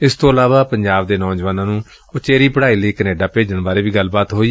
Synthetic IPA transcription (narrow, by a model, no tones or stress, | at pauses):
ɪst̪õːəlaːʋaːpəɲd͡ʒaːbd̪eːnɔ̃ːd͡ʒʋaːnãːnũː | ʊt͡ʃeːɾiːpəɽaːiːləiːkəneːɖaːpeːd͡ʒəɳbaːɾeːʋiːɡəlbaːt̪ɦoːiː